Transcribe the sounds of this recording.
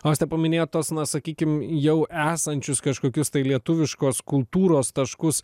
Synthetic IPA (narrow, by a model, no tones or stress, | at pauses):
oɐst̪ʲɛpɐmʲɪnʲeːjoːt̪oɔsnɐsɐkʲiːkʲɪmjɛʊʔæːsɐnʲt͡ʃʲʊskɐʃkoːkʲʊst̪ɐɪlʲiɛt̪ʊʋʲɪʃkoːskʊlˠt̪uːɾoːst̪ɐʃkʊs